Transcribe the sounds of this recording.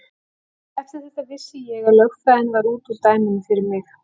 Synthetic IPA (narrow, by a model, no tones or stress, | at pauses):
ɛft̪ɪɾaɾθɛht̪ːavɪsːɪjɛɣaðlœɣfaːðɪnvaɾuːt̪ut̪aːjmɪnʏfɪɾɪɾmɪx